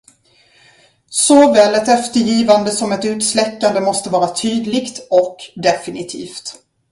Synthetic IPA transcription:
sɔvɛːlɛt̪ɛft̪əɾjiːvand̪əsɔmɛt̪ʉ̟ːt̪slɛkːand̪əmɔst̪əvɑːɾat̪ʰyːd̪lɪɡt̪ɔkd̪ɛfɪnɪt̪ʰḭːft̪

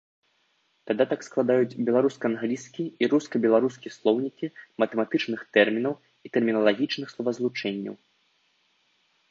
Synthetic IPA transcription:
t̪ad̪at̪aksklˠad̪ajut͡sʲbʲɛlˠaɾuskɐːnɣlʲiskʲiiɾuskɐbʲɛlˠaɾuskʲislˠɔwnʲikʲimɐt̪ɛmat̪ɨt͡ʂnɨxt̪ɛrmʲinɐw | it̪ɛrmʲinɐlˠaɣʲit͡ʂnɨxslˠɐvɐzlˠut͡ʂɛnʲːɐ̰w

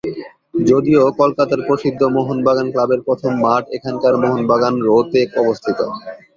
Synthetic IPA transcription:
d͡ʑod̪iokolkat̪aɾpɾoʃid̪ʱːomoɦonbaɡanklabeɾpɾot̪ʰomːaʈekʰankaɾmoɦonbaɡanɾot̪ekɔbost̪ʰit̪o̰

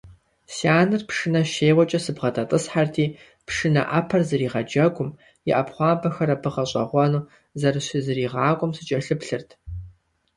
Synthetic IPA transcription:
siaːnɨrpʂɨnɐʃeːʁʷɔt͡ʃʼɐsɨbʁɐtʼɐtʼɨsħartʰiː | pʂɨnɐ̰ʔɐpʰɐrzɨriːʁɐd͡ʒɐɡʷʊm | jɪ̰ʔɐpχʷɑːbɐxɐɾɐpʰɨʁɐɕʼɐ̰ʁʷɔnuː | zɐrɨɕizɨriːʁɑːkʷʼʊmsɨt͡ʃʼɐɬɨpɬɨrtʰ

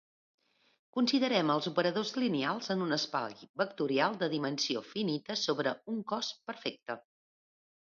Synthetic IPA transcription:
kunsiðəɾɛməlˠzupəɾəðozlinialˠzənunəspa̰ʎbək̚t̪uɾialˠd̪əðimənsiofinit̪əsoβɾəuŋkɔspəɾfek̚t̪ə

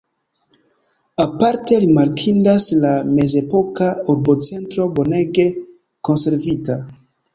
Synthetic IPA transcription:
apaɾte̞ɾimaɾkʰindaslame̞ze̞po̞kauɾbot͡se̞ntɾo̞bo̞ne̞ɡe̞ | ko̞nse̞ɾvita

